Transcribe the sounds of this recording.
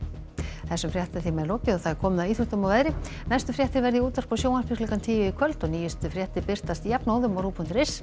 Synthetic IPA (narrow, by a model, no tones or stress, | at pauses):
θɛsːʏmfɾjɛht̪aθimɛðloːwcɪɔθaðɛɾ̥kʰɔːmʏðawiːθʏht̪ʏmawvɛðɾɪ | najst̪ʏfɾjɛht̪ɪɾvɛɾðɪuːt̪vaspɔsjoːwḁpɪklikant̪ʰiːjɪikʰvœlt̪ɔɣniːjɪst̪ʏfɾjɛht̪ɪpɪr̥t̪ast̪ijɛpnoːwðʏmaɾuːpʰut̪ɾɪs